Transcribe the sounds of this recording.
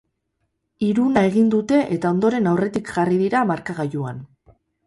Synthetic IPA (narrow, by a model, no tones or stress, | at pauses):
iɾunae̞ɣind̪ut̪e̞ʔet̪ao̞nd̪o̞ɾe̞nawre̞t̪ikʝariðiɾamaɾkaɣaʎuan